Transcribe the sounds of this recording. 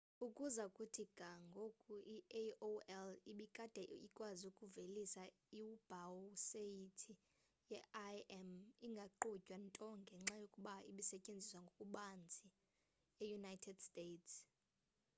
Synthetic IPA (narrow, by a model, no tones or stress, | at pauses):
ukʼuzakʼutʰiɡ̥ʱaŋɡʱokʼuʔioɛliɓikʼad̥ʱɛikʼwazukʼuvelisa | iub̥ʱawseitʰi | jɛʔaɛmiŋɡʱaǃucʼwantʼɔŋɡʱɛŋ͡ǁajokʼuɓaḭɓisɛcʼend͡zʱiswaŋɡʱokʼuɓand͡zʱʼi | ɛjunajtʰɛd̥stʼeːts